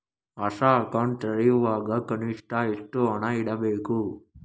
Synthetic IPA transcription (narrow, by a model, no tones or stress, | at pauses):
ɐʂaːkaːɳt̪ɐɾiʋaːɡɐkɐniʂʈaːisʈuɐnaɪɽɐbeːku